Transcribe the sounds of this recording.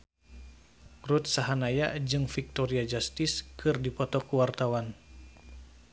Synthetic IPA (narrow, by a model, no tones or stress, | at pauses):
rut̪̚saɦanajad͡ʒɨŋfik̚t̪ɔɾiad͡ʒast̪iskʰɨrdipɔt̪ɔkuwart̪awan